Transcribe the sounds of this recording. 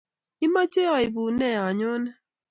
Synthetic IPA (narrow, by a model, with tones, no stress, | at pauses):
i˦ma˦t͡ʃe˦a˨i˨bu˨nɛ˦˨a˨ɲʊ˦nɛ˦